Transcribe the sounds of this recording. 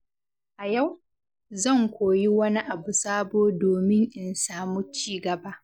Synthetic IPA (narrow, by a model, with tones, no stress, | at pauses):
ʔa˨ja˦˨w | zɐ˦˨ŋkʷoː˨ji˦wɐ˦ni˦ʔa˨bu˨saː˦boː˦doː˨mɪ˦ŋʔɪ˨nsaː˦mʊ˦t͡ʃiː˦ɡɐ˨baː˦ʔ